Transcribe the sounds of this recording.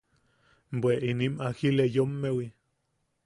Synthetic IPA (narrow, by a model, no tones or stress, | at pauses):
mbʷweʔinimakilejomːewi